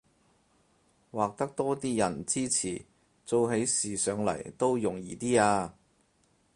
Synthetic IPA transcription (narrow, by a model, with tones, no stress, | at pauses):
waː˨k̚t̪ɐ˥k̚t̪ɔː˥t̪iː˥jɐ˨˩nt͡siː˥t͡sʰḭː˨˩ | t͡so˨wɦe˨˥jsiː˨˩sœː˨˧ŋlɐ̰˨˩jt̪o˥wjʊ˨˩ŋjiː˨t̪iː˥aː˧